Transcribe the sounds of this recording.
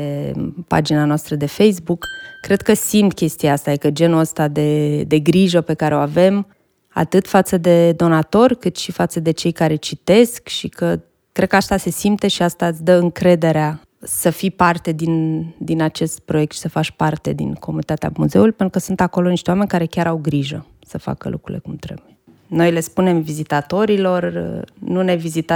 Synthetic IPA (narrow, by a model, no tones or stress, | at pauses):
epa̰d͡ʒinanoast̪ɾəd̪e̞fejsbukːɾe̞d̪kəsimt̪kʲe̞st̪ijaast̪ajekəd͡ʒe̞nuəst̪ad̪e̞d̪e̞ɡɾiʒəpe̞kaɾeo̞ave̞m | a̰t̪ɨt̪fat̪səd̪e̞d̪o̞nat̪o̞rʲkɨt̪ʃifat̪səd̪e̞t͡ʃe̞jkaɾe̞t͡ʃit̪e̞skʃikə | kɾed̪kəat̪ase̞simt̪e̞ʃiast̪at̪sʲd̪əɨŋkɾe̞d̪e̞ɾea | səfipart̪e̞d̪ind̪inat͡ʃe̞st̪̚pɾo̞je̞k̚t̪ʃi̥səfat͡ʃpart̪e̞d̪ḭnkomunit̪at̪ea̰muze̞ulujpet̪ɾukəsunt̪ako̞lo̞niʃt̪ewame̞nʲkaɾe̞kʲaɾawɡɾiʒə̰ | səfa̰kə̰lʔṵkɾṵlekumt̪ɾe̞̰buje | no̞jle̞spune̞mvizit̪at̪o̞ɾilo̞rnune̞vizit̪a